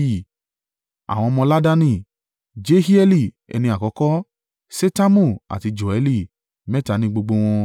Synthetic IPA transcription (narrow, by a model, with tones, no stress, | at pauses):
i˦˨ | a̰˨w̃ɔ̃˧mɔ̃˧la˦da˦nĩ˧˨ | d͡ʒe˦hi˦ɛ˧li˧˨ | ɛ̰˧nĩ˧a˨kɔ˨˧˦kɔ˦ | se˦ta˦mũ˦˨a̰˨ti˧d͡ʒo˨ɛ˨˧˦li˦˨ | mɛ˦ta˨nĩ˧ɡ͡bo˧ɡ͡bo˧w̃ɔ̃˧